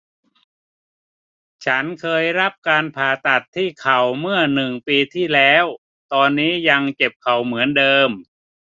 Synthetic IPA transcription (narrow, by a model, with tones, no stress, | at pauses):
t͡ɕʰa˦˥nkʰɤː˧jɾa˦˥p̚kaː˧npʰaː˨˩t̪a˨˩t̪ʰːiː˥˩kʰa˨˩wmɯ˥˩ɐnɯ˨˩ŋpiː˧t̪ʰiː˥˩lɛː˦˥w | t̪ɔː˧nːiː˦˥ja˧ŋt͡ɕe˨˩p̚kʰa˨˩wmɯ˩˦əndɤː˧m